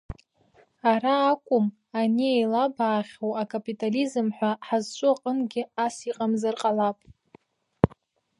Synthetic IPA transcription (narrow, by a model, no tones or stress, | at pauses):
aɾaːkʷʼʊm | aniejlabaːχʲowakʰʼapʼitʼalizɨmħʷᶣaħazt͡ʃʷʼʊaqʼənɡʲɪasiqʼamzarqʼalapʼ